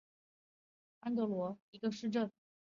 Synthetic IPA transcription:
a˥nt̪ɤ˧˥lwɔ˧˥i˧˥ɡə˧ʂɻ̩˥˧ʈ͡ʂə˥˩n

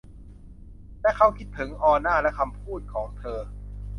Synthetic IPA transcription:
lɛ˦˥kʰa˦˥˩wkʰi˦˥t̪̚t̪ʰɤ˩˦ŋʔɔː˧naː˥˩lɛ˦˥ʔkʰa˧mpʰuː˥˩t̪̚kʰɔː˩˦ŋt̪ʰɤː˧

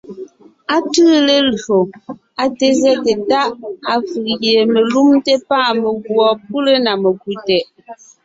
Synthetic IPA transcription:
a˦tɯ˦le˦lɰo˨ | a˨te˨zɛ˦te˨ta˦ʔa˨fɯ˨ʔɣje˨me˨lu˦mte˦paː˦˨me˨ɡwɔ˨p̚u˦le˦na˨me˨kwi˨tɛ˨ʔ

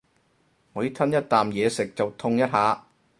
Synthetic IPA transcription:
ŋɔː˨˧ji˦˥t̪ʰɐ˥njɐ˥t̚t̪aː˨mjɛː˨˧sɪ˨k̚t͡sɐ˨wt̪ʰʊ˧ŋjɐ˥t̚haː˨˥

